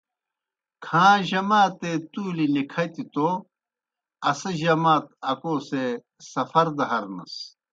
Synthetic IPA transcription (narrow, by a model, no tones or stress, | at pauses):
kʰãːʑɐmaːt̪et̪uːlinikʰɐt̪it̪o | ɐsɐʑɐmaːt̪̚ɐkoːse | sɐfɐɾd̪ɐɦɐɾnɐ̰s